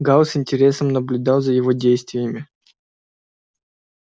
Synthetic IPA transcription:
ɡalˠsɪnʲtʲɪɾʲe̞səmnəblʲʊd̪ɑlˠzəjɪvodʲejst̪vʲɪjɪmʲɪ

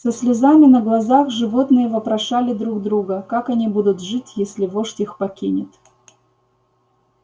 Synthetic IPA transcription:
səsʲlʲɪzamʲɪnəɡlˠɐzaxʐɨvo̞t̪nɨjəvəpɾɐʂalʲɪd̪ɾuɡd̪ɾuɡəkakɐnʲibud̪ʊt̪ʐɨtʲjesʲlʲɪvoʂtʲixpɐkʲinʲɪt̪

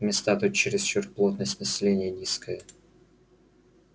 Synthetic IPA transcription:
mʲɪst̪at̪ut̪̚ʲt͡ɕɪɾʲɪst͡ɕort̪̚plˠo̞t̪nəsʲtʲnəsʲɪlʲenʲɪjənʲiskəjə

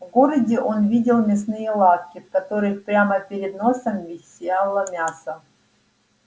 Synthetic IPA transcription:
vɡoɾədʲɪʔonvʲidʲɪlˠmʲɪsnɨjəlˠat̪kʲɪfkɐt̪o̞ɾɨxpɾʲaməpʲɪɾʲɪd̪no̞səmvʲɪsʲelˠəmʲasə

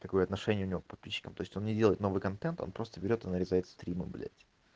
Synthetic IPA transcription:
t̪k̪ɐko̞jəɐt̪nɐʂɛnʲɪjəʊnʲɪvo̞k̚pɐt̪̚pʲiɕːɪ̥kəmt̪o̞jɪsʲtʲo̞nnʲɪdʲelˠəjɪt̪no̞vɨjkɐnt̪ɛnt̪o̞̰npɾo̞st̪əbʲɪɾʲo̞t̪ɨnəɾʲɪzajɪt̪st̪ɾʲimɨ̰bʲɪlʲḛt̪ʲɪ̥

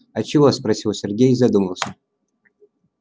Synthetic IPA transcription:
ɐt͡ʃɪvosprɐsʲilˠsʲerɡʲejzɐd̪uməlˠsʲə

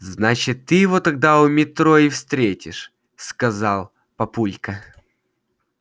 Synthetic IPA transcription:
znat͡ɕɪt̪ːɨjɪvot̪ɐɡ̚d̪aʊmʲɪt̪ɾo̞ɪfst̪ɾʲetʲɪ̰ʂ | skɐzɑlˠ | pɐpulʲkə

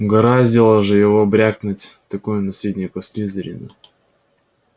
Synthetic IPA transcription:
ɡɐɾazʲɪlˠəʐɨjɪvobɾʲaknʊtʲt̪ɐkujʊnɐsʲidʲnʲɪkʊsʲlʲizəɾʲɪ̰nə̰

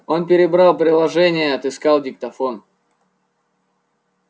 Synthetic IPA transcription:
o̞npʲɪɾʲɪbɾalˠpɾʲɪlˠɐʐɛnʲɪjəɐt̪ɨskalˠdʲɪk̚t̪ɐfo̞n

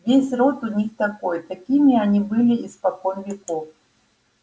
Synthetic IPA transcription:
vʲesʲrɔt̪unʲixt̪akɔjt̪akʲimʲianʲibɨlʲiispakɔnvʲikɔf

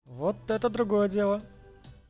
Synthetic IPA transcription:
vɔt̪ːɛt̪əd̪ɾʊɡɔjədʲelˠə

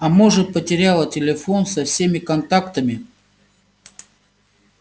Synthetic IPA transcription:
ɐmoʐɨpətʲɪɾʲalˠətʲɪlʲɪfo̞nsɐfsʲemʲɪkɐnt̪akt̪əmʲɪ

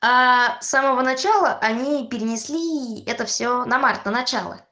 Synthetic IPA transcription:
asaməvənɐt͡ɕalˠəʔɐnʲipʲɪɾʲɪnʲɪsʲlʲiɛt̪əfsʲonɐmart̪nənɐt͡ɕalˠə̰

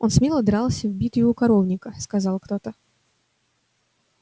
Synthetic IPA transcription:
o̞nsmʲilˠəd̪ɾɑlˠsʲəvbʲit̪jɪvukɐɾovnʲɪkəskɐzɑlˠkt̪o̞t̪ə

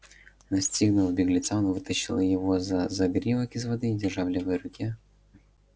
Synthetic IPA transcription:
nɐsʲtʲiɣnʊlˠɐbʲɪɡlʲɪt̪saɔnvɨt̪əɕːɪlˠəjɪvɔzɐzɐɡɾʲivɐkʲɪzvɐd̪ɨːdʲɪrʐavlʲɪvɨjəɾʊkʲi

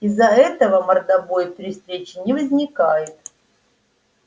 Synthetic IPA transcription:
izːɐɛt̪əvəmərd̪avojp̪ɾʲɪst̪ɾʲet͡ɕɪnʲɪvəzʲnʲɪkajɪt̪

